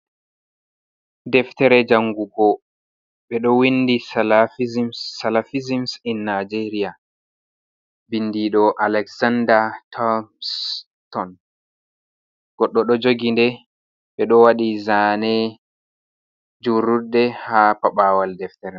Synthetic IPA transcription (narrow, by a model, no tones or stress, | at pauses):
dɛftɛɾɛd͡ʒaŋɡuɡɔ | ɓɛɗɔwindisalafizimsːalafizimsinːad͡ʒeɾia | bindiɗɔʔalɛksandatʰɔms | tɔn | ɡ̥ɔɗːɔɗɔd͡ʒoɡindɛ | ɓɛɗɔwaɗizanɛ | d͡ʒurudːɛhapaɓaːwaldɛftɛɾɛ